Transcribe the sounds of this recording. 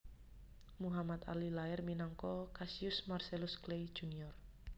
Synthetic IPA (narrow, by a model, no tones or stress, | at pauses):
muɦamat̪a̰lilaɛrminɔŋkɔkasiʊsmarselʊsklejd̥ʒ̥uniɔr